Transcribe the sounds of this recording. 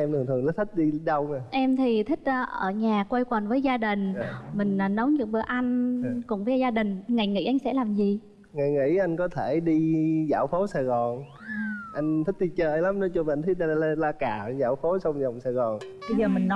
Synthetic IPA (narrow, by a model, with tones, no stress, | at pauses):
ʔɛ˧mt̪ɨ˨˩t̪ʰɨ˨˩əŋlə˨˦t̪ʰï˦˥k̚ɗi˧ɗə˧wə˨˩ʔɛ˧mt̪ʰi˨˩t̪ʰï˦˥k̟̚əː˧˩ʔəː˧˩ɲaː˨˩kwə˧jkə˨˩nvəː˨˦jzaː˧ɗï˨˩ŋ̟mï˨˩ŋ̟a˨˩nə˨˦wɲɨ̰˧˩ɓɨ˧˩əʔa˧jŋ̟kʊ̰˨˧˩ŋ͡mvəː˨˦jzaː˧ɗï˨˩ŋ̟ŋa˨˩jŋḭ˧˥ʔa˧jŋ̟sɛ̰˧˥laː˨˩mzi˨˩ | ŋa˨˩jŋḭ˧˥ʔa˧jŋ̟kɔ˨˦t̪ʰe˧˩ɗi˧za̰ː˧˩wfo˨˦saː˨˩jɣɔ˨˩n | ʔa˧jŋ̟t̪ʰi˦˥k̚t̪i˧t͡ɕəː˧jla˨˦mnɔ˨˦t͡ɕɔ˧vnt̪ʰi˦˥ɗa˧le˧laː˧kaː˧˩˧za̰ː˧˩wfo˨˦sa˧wŋ͡mza˨˩wŋ͡msaː˨˩jɣɔ˨˩nɓə˧jzəː˨˩mï˨˩ŋ̟nɔ˨˦